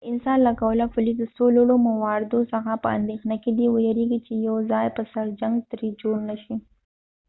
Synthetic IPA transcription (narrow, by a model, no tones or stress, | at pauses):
ɪnsɑnlaɡawəlafʊlid̪əsoloɽomawɑɾɪd̪osəxapəa̰nd̪exnaked̪iwəjaɾeɡit͡ʃejawzɑjpəsaɾd͡ʒaŋɡt̪ɾid͡ʒoɽnaʃi